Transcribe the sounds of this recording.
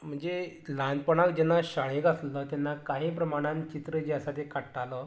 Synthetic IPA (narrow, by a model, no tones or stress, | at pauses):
m̤əɳd͡ze | lan̚pəɽ̃akd͡ʑɛnːaɕaɭekaslət̪anːakaɦĩpɾəmaɽ̃ãnt͡ɕit̪ɾəd͡ʑeəsat̪ekaʈaləː